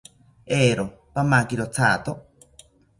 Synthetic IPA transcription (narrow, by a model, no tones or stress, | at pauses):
eɾo | pamakiɾot͡sʰaːt̪o